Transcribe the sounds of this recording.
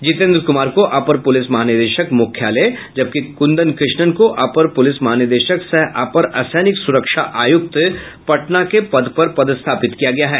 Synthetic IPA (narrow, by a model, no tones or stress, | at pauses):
d͡ʒɪt̪ẽːnd̪ɾkʊmaːɾkoʔaːpəɾpʊlɪsmɐɦaːnɪd̪eːʃəkmʊkʰjaled͡ʒɐb̚kikʊ̃nd̪ənkɾɪʃɳənkoʔaːpəɾpʊlɪsmɐɦaːnɪd̪eːʃəkseɦʔa̰ːpəɾɐsɛːnɪksʊɾəkʃaʔaːjʊk̚t̪ | pɐʈnakepɐd̪pɐɾpɐd̪ɪst̪ʰaːpɪt̪kijaɡɐjaɦɛː